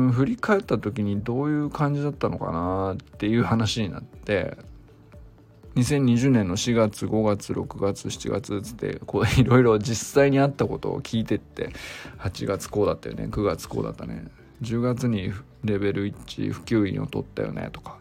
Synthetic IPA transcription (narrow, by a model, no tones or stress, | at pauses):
ɸɯ̟ɾʲikae̞t̪ːat̪o̞k̬ʲiɲ̟id̪o̞ːjɯ̟ːkãɲ̟d͡ʑid̪at̪ːano̞ka̰nat̪ːe̞jɯ̟ːhanaɕiɲ̟ina̰t̪ːe̞̰ | ɲ̟isẽ̞ɲ̟ːiʑɨːnẽ̞nːo̞ɕiɡat͡sɨɡo̞ɡat͡sɨɾʔo̞̰kɯ̟ɡat͡sɨɕi̥t͡ɕḭɡa̰t͡sɨt͡sɨ̥t̪ːe̞̰koiɾo̞iɾo̞d͡ʑisaiɲ̟iat̪ːako̞t̪o̞̰ːkʲʰiːt̪e̞t̪ːe̞̰hat͡ɕiɡat͡sɨ̥ko̞ːd̪at̪ːajo̰nḛkɯ̟ɡat͡sɨ̥ko̞̰ːd̪a̰t̪ːanḛ | d͡ʑɨːɡat͡sɨɲ̟i | ɾe̞be̞ɾɯ̟it͡ɕḭɸɯ̟̥kʲɨːḭ̃o̞̰t̪o̞̰t̪ːa̰jo̰nḛt̪o̥kḁ